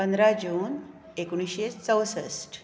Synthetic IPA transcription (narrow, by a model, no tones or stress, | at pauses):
pənd̪ɾad͡ʑuːn | ekɽ̃iɕet͡səwsəsʈ